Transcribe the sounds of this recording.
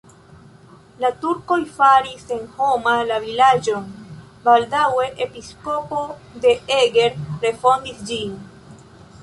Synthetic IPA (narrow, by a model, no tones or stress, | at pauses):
latuɾko̞jfaɾise̞nho̞malavilad͡ʒo̞n | baldawe̞ʔepisko̞po̞de̞eɡe̞ɾɾe̞fo̞ndisd͡ʒin